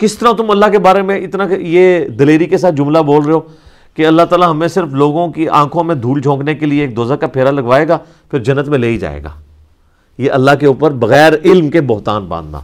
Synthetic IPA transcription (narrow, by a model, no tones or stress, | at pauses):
kɪst̪əɾat̪ʊ̃mɐlːakebaːɾemẽɪt̪nãjeːd̪ɐleːɾikesaːt̪̚d͡ʒʊ̃mlaboːlɾəeɦoː | keɐlːat̪aːlaɦɐmẽsɪɾfloːɡõkiʔã̰ːkʰõmẽd̪ʱuːld͡ʒʱõːknekelieːk̚d̪oːzakapʰeːɾalɐɡʋaːeːɡaː | pʰɪɾd͡ʒɐnːət̪mẽleːid͡ʒa̰ːḛːɡa̰ː | jeʔɐlːaɦkeuːpəɾbɐɣɛːɾɪlmkebʊɦt̪a̰ːnbã̰ːnd̪na̰ː